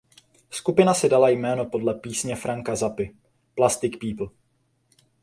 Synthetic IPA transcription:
skupɪnasɪdalajmɛːno̞po̞dlɛpiːsɲɛfɾaŋkazapɪ | plast̪ɪkpiːpl̩

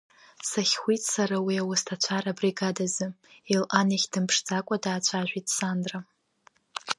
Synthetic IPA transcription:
saχʲχʷitʼsaɾawiawastʰat͡ɕʷʰaɾabriɡadazɨilʔaniχʲd̥ɨmpʰʂd͡zakʷʼadaːt͡ɕʷʰaʒᶣʷitʼsandra

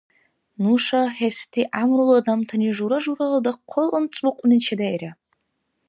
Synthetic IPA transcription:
nuʂaħestʰʼiʔamruladamtʰaniʐuɾaʐuɾaladaqʷʰʊlɨnt͡sʼuqʷʼnit͡ʃʰadajra

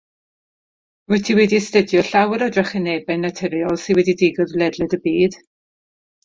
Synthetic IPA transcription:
wʊtʰiwɛdistədjɔɬawəɾɔdrɛχɛneːbɛnːatʰɛɾiɔlˠsɪnwɛdidiɡɔðlɛdlɛdəbiːd̥

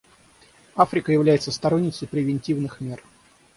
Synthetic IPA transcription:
afɾʲɪkəjɪvlʲæjɪt̪səst̪ɐɾonʲːɪt̪sɪpɾʲɪvʲɪnʲtʲivnɨxmʲer

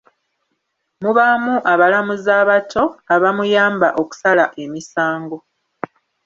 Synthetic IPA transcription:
muβamuʔaβalamuzaːβatʰo̞aβamujaːmbaʔo̞ku̥salaʔe̞misaːŋɡo̞

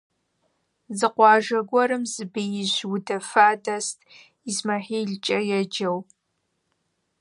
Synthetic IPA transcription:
zɨqʷɑːʒɐɡʷɔɾɨmzɨbɨjɪʑʷwdɐfaːdɐstʼ | izmɐħiːɮt͡ʃʼɐjɛd͡ʒɐw

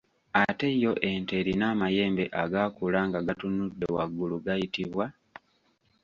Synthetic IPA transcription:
ate̞jo̞ʔe̞nte̞ɾinaːmaje̞ːmbe̞ʔaɡakulaːŋɡaɡatunudːe̞wa̰ɡːuluɡajitiβwa

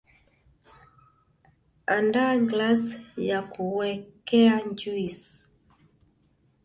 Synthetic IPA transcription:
andaɡlasjakuwɛkɛaɲd͡ʒuis

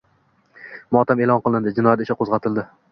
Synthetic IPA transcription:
mɒːt̪ʰamelɒnqʰɨlˠɪnd̪ɪd͡ʒɪnɒjat̪ɪʃɪqʰozʁɑt̪ʰɪlˠd̪ɪ

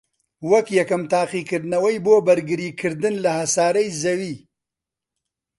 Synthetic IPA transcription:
wɐkjɐkɨmt̪aːqikɨɾd̪nɐwɐjboːbɐɾɡɨɾiːkʰɨɾd̪ɨnlɐhɐsaːɾɐjzɐwiː

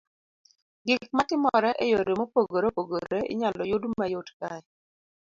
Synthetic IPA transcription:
ɡɪk̚matɪmɔɾɛʔejoɾemopoɡoɾopoɡoɾeɪ̰ɲalɔjʊdmajotkaɛ

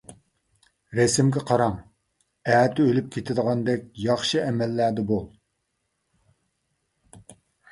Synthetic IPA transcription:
ɾɛsɪmkʲɛqʰɑɾɑŋ | æːt̪ʰɪølyp̚kʲʰet̪ʰɪd̪əʁɑnd̪ɛkʲjɑχʃɨɛmɛlːæd̪ɛbolˠ

